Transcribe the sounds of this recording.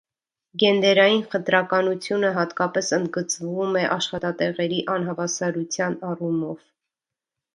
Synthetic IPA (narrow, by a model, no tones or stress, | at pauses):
ɡɛnd̪ɛɾɑjinχət̪ɾɑkɑnut͡sʰjunəɦɑt̪kɑpɛsənd̪ɡət͡svumɛʔɑʃχɑt̪ɑt̪ɛʁɛɾiʔɑn̪ɦɑvɑsɑɾut͡sʰjɑnɑrumɔv̥